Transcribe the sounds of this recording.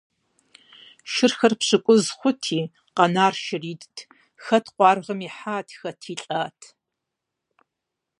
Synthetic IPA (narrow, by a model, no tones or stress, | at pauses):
ʃɪrxɐrpʂɨkʷʼʊzχʷʊtʰiː | qɑnaːrʃɪriːdtʰ | xɐtʰqʷɑːrʁɐmiːħaːtʰxɐtʰiːɬʼaːtʰ